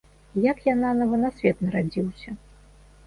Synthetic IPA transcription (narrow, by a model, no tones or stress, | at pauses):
jakjananɐvɐnasʲvʲɛt̪nɐɾad͡zʲiwsʲɐ